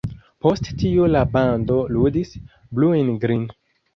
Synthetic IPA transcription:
po̞sttiulabando̞ludis | bluenɡɾin

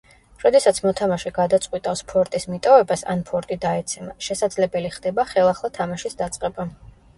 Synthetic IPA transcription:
ɾɔd̪ɛsat̪sʰmɔt̪ʰamaʃɛɡad̪at̪sʼqʼwit̪ʼafspʰɔɾt̪ʼismit̪ʼɔvɛbasa̰npʰɔɾt̪ʼid̪aɛt̪sʰɛmaʃɛsad̪zlɛbɛliχd̪ɛbaχɛlˠaχlˠat̪ʰamaʃisd̪at̪sʼqʼɛba

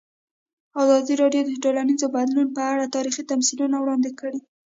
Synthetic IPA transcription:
ɑzɑd̪iɾɑɖjod̪əɖolanizobad̪lunpəaɽat̪ɑɾixit̪amsilunawɽɑnd̪ɪkəɽi

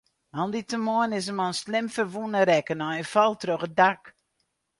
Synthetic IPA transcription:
ɔnditəmoənɪs̬əmɔnslɪmfərʋunəɾɛkənɔənfɔlˠtrøxədak

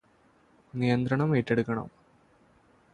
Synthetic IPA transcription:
nijɐnd̪ɾɐɳɐmeʈːeɽukːɐɳɐ̰m

